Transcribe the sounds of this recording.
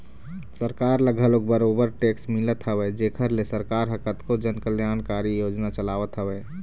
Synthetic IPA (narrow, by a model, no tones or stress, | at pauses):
səɾkaːɾləɡʱəlok̚bəɾoːbəɾʈeːksmɪlət̪ɦəwɛd͡ʒeːkʰəɾlesəɾkaːɾɦəkət̪kod͡ʒənkəljaːnkaːɾijoːd͡ʒnat͡ʃəlaːʋət̪ɦəwɛː